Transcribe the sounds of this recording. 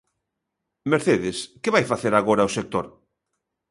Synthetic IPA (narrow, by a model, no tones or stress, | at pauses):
meɾθeðɪskeβajfaθeɾaɣoɾaosek̚t̪oɾ